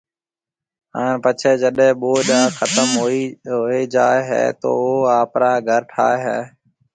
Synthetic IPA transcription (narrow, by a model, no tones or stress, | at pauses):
ə̃ːɳpət͡ʃʰeːd͡ʒəɗẽːɓoːɗãːxət̪əmɦoiɦoːeːd͡ʒaːeɦɛ̰ːt̪o̰ːoːaːpɾaːɡʱəɾʈʰaːeɦɛː